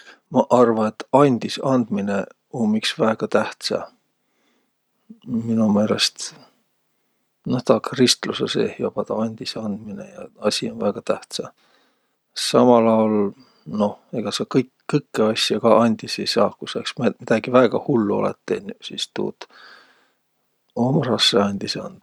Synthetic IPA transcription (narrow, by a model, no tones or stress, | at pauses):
mɑʔɑrvɑnet̪ːɑnʲd̪̥isɑnd̪̥mine̞ | ommiksvæeɡ̥ɑt̪æht̪sɑ̰ | minume̞ːle̞st̪ | noht̪ɑkrist̪lusḛseːhjob̥ɑt̪ɑɑnʲd̪̥isɑnd̪̥minḛjɑɑsʲionvæːɡ̥ɑt̪æht̪sɑ | sɑmɑlɑwl | no̞he̞ɡ̥ɑsekɤjkːɤjkːeɑsʲjɑɡ̥ɑʔɑnʲd̪̥isejsɑːkuseksmemid̪̥ɑɡ̥ivæeɡ̥ɑhulːuolḛt̪ːenʲsist̪ṵːt̪ | omrɑsːeɑnʲd̪̥iseɑ̰nd̪̥̚